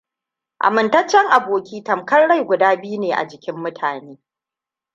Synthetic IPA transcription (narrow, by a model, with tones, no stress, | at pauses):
ʔa̰˨mɪ˨ntɐ˦t͡ʃːɛ˦ŋʔa˨boː˨kʲiː˦tɐ˨mkɐ˦rɽa˦jɡʷʊ˨daː˦bi˦ju˦neː˨ʔa̰˨d͡ʒɪ˨kʲɪ˦mːʊ˦tʰaː˨neː˦